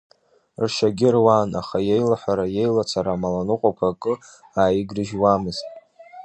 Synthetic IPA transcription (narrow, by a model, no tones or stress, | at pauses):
rʃaɡʲɪrwaːna̰χaje̞jlaħʷaɾaje̞jlat͡sʰaɾamalanɨqʷʼakʷʰakʼɨ | aːjɪɡrɨʒwamɨztʼ